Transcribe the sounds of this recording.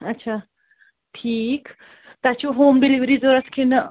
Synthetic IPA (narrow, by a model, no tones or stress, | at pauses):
ɐtːt͡ʃʰa | ʈʰiːk | t̪at͡ʃʰuɦoːmɖiliʋɾizoɾɐskʰin